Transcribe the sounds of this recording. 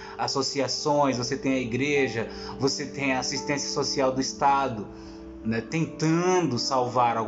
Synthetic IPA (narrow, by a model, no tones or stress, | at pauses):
asosiasõj̃svoset̪ẽj̃ɐiɡɾeʒɐ | voset̪ẽj̃ɐasist̪ẽsiɐsosiawd̪ʊist̪ad̪ʊ | nɛt̪ẽnt̪ɐ̃d̪ʊsawvaɾawɡ